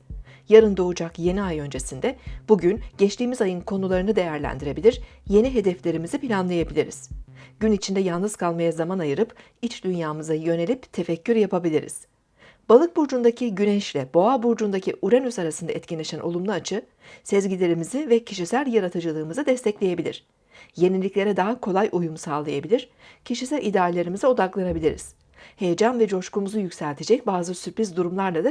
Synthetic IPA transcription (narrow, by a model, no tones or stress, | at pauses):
jaɾɯnd̪o̞ud͡ʒakje̞niajø̞nd͡ʒe̞sind̪ɛb̥uɟynɟɛt͡ʃt̪iːmizajɯnkʰo̞nulˠaɾɯnɯd̪e̞jæɾlʲæ̰nd̪iɾe̞bilʲiɾje̞niɦe̞d̪ɛflʲe̞ɾimizipʰilʲanlˠajabilʲiɾḭz̥ɟ̥ynit͡ʃʰind̪ɛjalˠnɯz̥kʰalˠmajazamanajɯɾɯp | it͡ʃd̪ynjaːmɯzajø̞ne̞lʲipt̪ʰe̞fɛcʰːyɾjapʰabilʲiɾḭz̥ | b̥alˠɯk̚buɾd͡ʒund̪acʰiɟynɛʃlʲɛbo̞abuɾd͡ʒund̪acʰiʔuɾanysaɾasɯnd̪aɛt̪cʰinlʲeʃænʔo̞̰lˠumlˠaːt͡ʃʰɯ | sɛzɟilʲe̞ɾimizivɛcʰiʃisælʲjaɾat̪ʰɯd͡ʒɯlˠɯːmɯzɯd̪ɛst̪ʰɛclʲeje̞bilʲḭɾ̥ | je̞nilʲːiclʲe̞ɾɛd̪aɦakʰo̞lˠajʔujumsaːlˠajabilʲiɾ̥ | cʰiʃisælʲʔid̪aːɾʲelʲe̞ɾimizio̞d̪aklˠanabilʲiɾḭz̥ | he̞jed͡ʒanvɛd͡ʒo̞ʃkumuzujycʲsælʲt̪ʰe̞d͡ʒɛc̚baːzɯsyɾpʰɾizd̪uɾumlˠaɾlˠad̪a